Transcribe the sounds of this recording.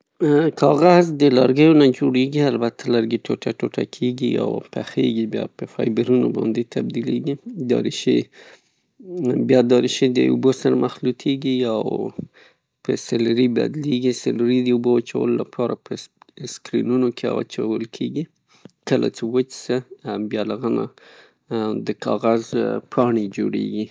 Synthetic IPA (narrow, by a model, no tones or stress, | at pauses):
kʰɑɣazd̪əlaɾɡəjonad͡ʒoɽeɡialbat̪ʰalaɾɡiʈʰoʈaʈoʈa̰kʰeɡia̰wpa̰xḛɡibjɑ̰pəfɑjbəɾunobɑ̰nd̪et̪ʰab̚d̪ileɡid̪ɑ̰ɾiʃe | bjɑd̪ɑɾiʃed̪ə̰ubosaɾamʔaxlut̪ʰeɡiaw | pəsalɾiba̰d̪leɡisalɾid̪əubowat͡ʃawə̰lolapʰɑɾapʰəskɾinunokʰea̰wa̰t͡ʃawəlkʰeɡi | kəla̰t͡sewət͡ʃsəbjɑləɣana | d̪əkʰɑɣazpʰɑɳed͡ʒoɽḛɡi